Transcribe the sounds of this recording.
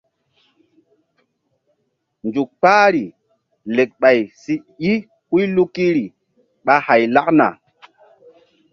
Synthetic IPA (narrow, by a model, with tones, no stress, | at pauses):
nd͡ʒu˨k̚k͡paː˦ɾi˨ | le˨k̚ɓa˨jsi˦ | i˦ | ku˦jlu˦kːi˦ɾi˨ | ɓa˦ha˨jla˦kna̰˨